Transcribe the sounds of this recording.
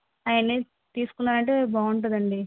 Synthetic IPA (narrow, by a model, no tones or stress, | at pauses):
aːjɐne | t̪iːsu̥kunːaːɾɐɳʈebaːuɳʈ̬ud̪ɐɳɖi